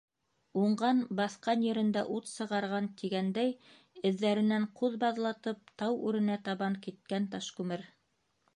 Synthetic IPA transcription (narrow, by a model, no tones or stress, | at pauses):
uɴɢɑnbɑθqɑnjɘ̆ɾɘ̆nd̪æʔut̪sɤ̆ʁɑɾʁɑnt̪iɡænd̪æj | ɘ̆ðːæɾɘ̆næɴquðbɑðlˠɑt̪ɤp̚t̪ɑwʉɾɘ̆næt̪ɑβɑŋkit̪̚kænt̪ɑʃkʉmɘɾ